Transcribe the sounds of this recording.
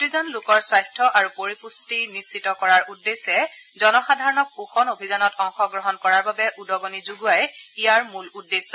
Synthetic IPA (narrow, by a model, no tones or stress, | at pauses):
tizɔnlʊkɔɹswajstʰɔʔaɹupoɹipustinisːitɔkɔɹaɹʔudːesɛ | zɔnɔxadʱaɹɔnɔk̚puxɔnobʱizanɔtɔŋxɔɡɹɔɦɔnkɔɹaɹbabɛʔudɔɡonizuɡuajijaɹmuludːesːɔ